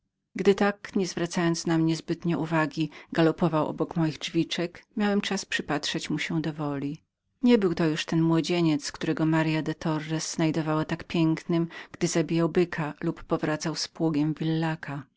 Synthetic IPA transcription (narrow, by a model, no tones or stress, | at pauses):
ɡd̪ɘt̪akɲɛzvɾat̪sajɔnt̪snamɲɛzbɘt̪ɲɛʔuvaɡʲiɡalɔpɔvawʔɔ̰bɔkmɔjiɣd͡ʐvʲit͡ʂɛkmʲjawɛmt͡ʂaspʂɘpatʂɛt͡ɕmuɕɛd̪ɔvɔlʲi | ɲɛbɘwt̪ɔjuʂt̪ɛnmwɔd͡ʑeɲɛt̪skt̪uɾɛɡɔmaɾjad̪ɛt̪ʰɔrːɛsz̥najd̪ɔvawat̪akpʲjɛŋknɘmɡ̥d̪ɘzabʲijawbɘkʰalupːɔvɾat̪sawspwuɡʲɛmvʲilːakʰa